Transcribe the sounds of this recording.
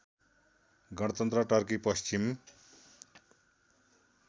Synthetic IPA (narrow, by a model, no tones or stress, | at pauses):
ɡʌɽ̃ʌt̪ʌnt̪rʌʈʌrkipʌst͡ɕim